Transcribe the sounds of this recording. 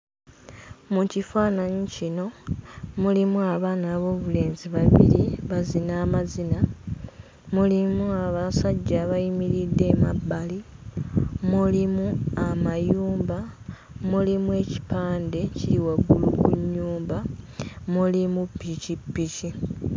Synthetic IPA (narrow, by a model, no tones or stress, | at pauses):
mucifaːnaɲicino̞mulimuaβaːnaːβo̞ːβule̞ːnziβaβḭɾiβazinaːmazina | mulimuaβasaɟːaβajimiɾidːe̞ːma̰bːali | mulimuamajuːmba | mulimue̞ːci̥paːnde̞ciɾiwaɡulṵɡuɲːuːmbamulimupːicipːici